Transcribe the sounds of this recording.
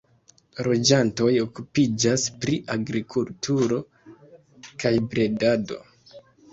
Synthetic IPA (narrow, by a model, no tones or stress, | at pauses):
ɾo̞d͡ʒanto̞jo̞kupid͡ʒaspɾiʔaɡɾikʰultʰuɾo̞ | kajbɾe̞dado̞̰